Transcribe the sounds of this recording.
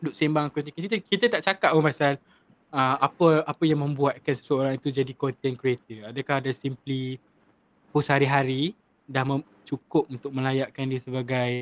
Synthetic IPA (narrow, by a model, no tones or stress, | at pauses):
dʊʔ̚sembaŋakuɲakiit̪kit̪ət̪aʔt͡ʃakaʔ̚mə̃mbasal | əapəapəjaŋmə̃mbuat̪̚kansə̥səoɾãŋit̪ud͡ʒadikɔnt̪ɛnkɾiat̪iadakahadasimpli | pushaɾiɦaɾi | dahmə | t͡ʃukʊp̚unt̪ʊk̚mə̃lajaʔkandiəsəbaɡaj